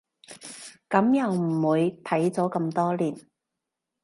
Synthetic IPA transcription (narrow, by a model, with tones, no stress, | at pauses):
kɐ˨˥mjɐ˨˧wm̩˨˩wuː˨˧jt̪ʰɐ˨˥jt͡sɔː˨˥kɐ˧mt̪ɔː˥liː˨˩n